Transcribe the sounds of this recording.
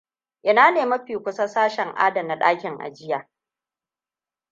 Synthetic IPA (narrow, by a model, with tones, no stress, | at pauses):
ʔɪ˦naː˦neː˨mɐ˦ɸiː˨kʷʊ˦sa˦saː˦ʃɛ˨ŋʔa̰ː˦dɐ˨nːa˨ɗaː˦kʲɪ˨ŋʔa̰˨d͡ʒɪ˦jaː˨